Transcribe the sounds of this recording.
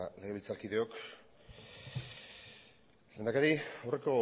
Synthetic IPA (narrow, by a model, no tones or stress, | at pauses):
le̞ɣ̞eilt͡saɾkiðe̞o̞k | le̞nd̪akaɾiawre̞ko̞